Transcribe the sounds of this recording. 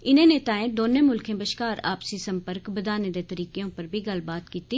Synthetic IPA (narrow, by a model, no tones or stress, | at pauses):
ɪnẽneːt̪aːẽd̪oːnẽmʊlkʰẽbɐʃkaːɾa̰ːpsisɐ̃mpəɾkbɐd̪aːnẽd̪et̪ɐɾiːkejõpɐɾbʱiɡɐlbaːt̪kiːtt̪i